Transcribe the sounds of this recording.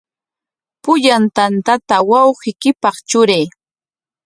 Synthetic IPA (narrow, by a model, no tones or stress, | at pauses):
pʊʎant̪ant̪at̪awɑwɢɪkɪpɑχt͡ʃʊɾej